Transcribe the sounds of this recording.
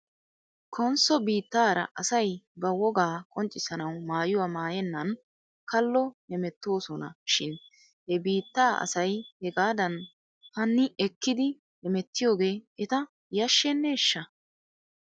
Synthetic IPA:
kʰɔnsɔbiːt̪ːaːɾɐ̰ʔɐsɐjbɐwɔɡaːkʼɔnt͡ʃʼːɪsɐnɐwmaːjʊwaːmaːjɛnːɐn | kɐlːɔhɛmɛt̪ːo̞ːsɔnɐ̰ʃɪn | hɛbiːt̪ːaːʔɐ̰sɐjhɛɡaːd̪ɐn | hɐnːɪʔɛkːɪd̪ɪ | hɛmɛt̪ːɪjo̞ːɡe̞ːɛt̪ɐ | jɐʃːɛnːɛɛʃːɐ

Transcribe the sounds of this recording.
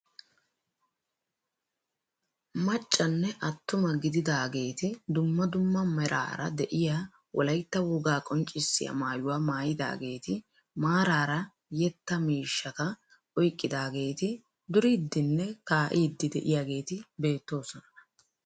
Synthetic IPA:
mɐt͡ʃʼːɐnːɛʔɐt̪ːʊmɐɡɪd̪ɪd̪aːɡe̞ːt̪ɪd̪ʊmːɐd̪ʊmːɐmɛɾʔa̰ːɾɐ̰d̪ɛʔɪjaː | wʔɔ̰lɐjt̪ːɐwʊɡaːkʼɔnt͡ʃʼːɪsːɪjɐ̰maːjʊwaːmaːjɪd̪a̰ːɡe̞ːt̪ɪ | maːɾaːɾɐ | jɛt̪ːɐmiːʃːɐkɐ | ʔɔjkʼːɪd̪aːɡe̞ːt̪ɪ | d̪ʊɾiːd̪ːɪnːɛkaːʔiːd̪ːɪd̪ɛʔɪjaːɡe̞ːt̪ɪbe̞ːt̪ːo̞ːsɔnɐnɐ

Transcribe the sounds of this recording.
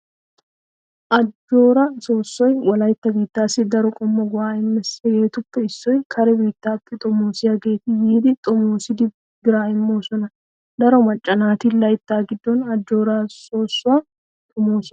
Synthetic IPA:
ʔɐd͡ʒːo̞ːɾɐso̞ːsːɔjwɐlɐjt̪ːɐbiːt̪ːaːsɪd̪ɐɾɔkʼɔmːɔɡʊwaːɪmːɛsɡe̞ːt̪ʊpːɛɪsːɔjkʰɐɾɛbiːt̪ːaːpːɛt̪ʼɔmːoːsɪjɐɡe̞ːt̪ɪjiːd̪ɪt̪ʼɔmoːsɪd̪ɪ | ɡɪɾaːɪmːo̞ːsɔnɐ | d̪ɐɾɔmɐt͡ʃʼːɐnaːt̪ɪlɐjt̪ːaːɡɪd̪ːɔnɐd͡ʒːo̞ːɾaːso̞ːsːʊa | t̪ʼɔmoːsɔ

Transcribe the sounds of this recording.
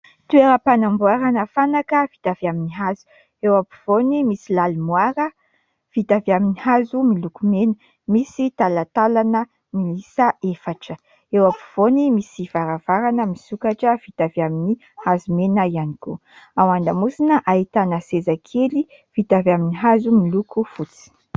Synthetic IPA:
t̪ueɾəpanambuaɾanəfanakəv̥i̥t̪av̥iaminiɦazu̥ | ewapu̥v̥onimisilalumwaɾə | v̥it̪avaminihazumilukumenə | misit̪alat̪alanə | milisəefaʈ͡ʂə | ewapu̥v̥onimisiv̥aɾav̥aɾanəmisukaʈ͡ʂəvit̪avjamini | hazumenəianiku | awaɳɖ͡ʐamusinəʔait̪anəsezakʰeli | v̥it̪avaminiɦazumilukufut͡si̥

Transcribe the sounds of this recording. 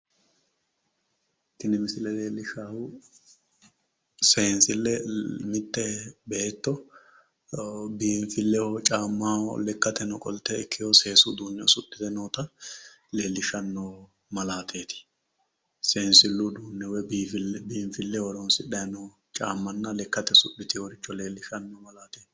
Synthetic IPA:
t̪ːɪnɪmɪsɪlɛleːlːɪʃaːwʊ | seːnsɪlːɛmɪt̪ʼːɛbɛt̪ːɔ | biːɱfɪlːɛwɔt͡ʃʼaːmːaːwɔ̰lɛkːɐt̪ɛnɔkʼɔlt̪ːɛɪkʰːɪjose̞ːsʊd̪uːnːɛsʊt̪ːɪt̪ɛnoːt̪ɐ | leːlːɪʃɐnːoː | mɐlaːt̪ʰe̞ːt̪ɪ̥ | seːnsɪlːʊd̪uːnːɛwɛiːfɪbiːnfɪlːɛwɔɾɔnsɪᶑɐjnɔ | t͡ʃʼaːmːɐnːɐlɛkːɐt̪ɛsʊ̰ɗːɪt̪ɪɔɾɪt͡ʃːɔle̞ːlːɪʃɐnːɔmɐlaːt̪eːt̪ɪ

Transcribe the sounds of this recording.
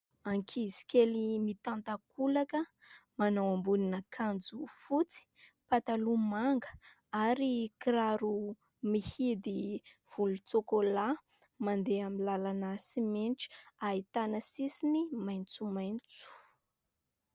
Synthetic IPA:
aŋkʰizi̥kʲelimit̪ant̪akʰulakəmanawambuninəkʰand͡zufut͡si̥pat̪alumaŋɡə | aɾikiɾaɾu | mihid̪iv̥ulut͡sokola | mand̪eamilalanasimenʈ͡ʂi̥ait̪anəsisinimajnt͡sumajnt͡su̥

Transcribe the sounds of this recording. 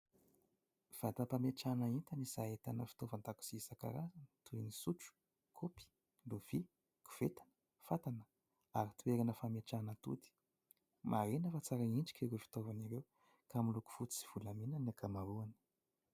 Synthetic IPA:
v̥at̪apameʈ͡ʂanaint̪aniz̥aet̪anəfi̥t̪ovant̪aku̥siisaka̰ɾazant̪uinisuʈ͡ʂu̥ | kʰopi̥ | luv̥i | ku̥v̥et̪anə̥ | fat̪anə̥ | aɾit̪ueɾanəfameʈ͡ʂanət̪ṵd̪i̥ | mʔaɾenəfat͡saɾainɖ͡ʐi̥kʲiɾefi̥t̪ovaniɾew | kamiluku̥fut͡sisi̥v̥ulamenanakʰamaɾuani̥

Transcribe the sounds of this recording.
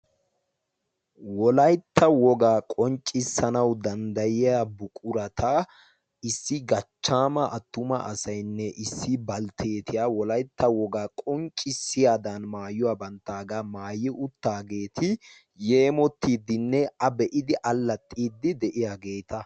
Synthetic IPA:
wɔlɐjt̪ːɐwɔɡaːkʼɔnt͡ʃʼːɪsːɐnɐwd̪ɐnd̪ɐjɪjabʊkʼʊɾɐt̪ʰɐ | ɪsːɪɡɐt͡ʃːaːmɐʔɐt̪ːʊmɐʔɐsɐjnːɛʔɪsːɪbɐlt̪ʰeːt̪ɪjaːwɔlɐjt̪ːɐwɔɡaːkʼɔnt͡ʃʼːɪsːɪjaːd̪ɐnmaːjːʊwaːbɐnt̪ːaːɡaːmaːjːɪʔʊt̪ːaːɡe̞ːt̪ʰɪ | jeːmɔt̪ːiːd̪ːɪnːɛɐbɛʔɪd̪ɪʔɐlːɐt̪ʼːiːd̪ːɪd̪ɛʔɪjaːɡe̞ːt̪ɐ

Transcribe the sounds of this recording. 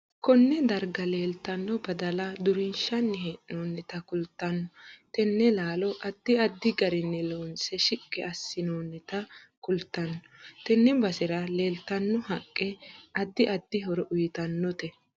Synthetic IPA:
kɔnːɛd̪ɐɾɡɐle̞ːlt̪ːɐnːɔbɐd̪ɐlɐd̪ʊɾɪnʃɐnːɪheːʔɪnoːnːɛt̪ɐkʊlt̪ːɐnːɔt̪ɛnːɛlaːlɔʔɐd̪ːɪɐd̪ːɪɡɐɾɪnːɛloːnsɛʃɪkʼːɛɐsːɪnoːnːɛt̪ɐ | kʊlt̪ːɐnːɔ̥t̪ɛnːɛbɐsɪɾɐle̞ːlt̪ːɐnːɔɦɐkʼːɛɐd̪ːɪʔɐd̪ːɪɦɔɾɔʔʊjɪt̪ɐnːɔt̪ɛ

